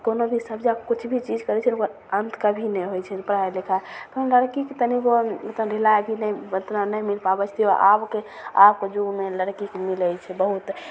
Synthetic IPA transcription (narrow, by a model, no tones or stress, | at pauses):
konobʱisəbd͡ʒakut͡ʃʰbʱit͡ʃid͡ʒkəɾɛt͡ʃʰɛnokə | ənt̪ʰkəbʱinɛjɦojt͡ʃʰɛpɾaelekʰaek̪ənləɾkikt̪əniboət̪əɾelaebʱinɛot̪nanəjmilpabət͡ʃʰt̪ia̰ʔabke | abked͡ʒuɡmeləɾkikmilət͡ʃʰɛbəɦut̪